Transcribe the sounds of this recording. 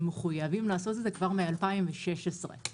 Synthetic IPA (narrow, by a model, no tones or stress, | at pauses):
meχujavimlaːso̞t̬ezekvaʁmealpaimveʃe̞ʃesʁḛ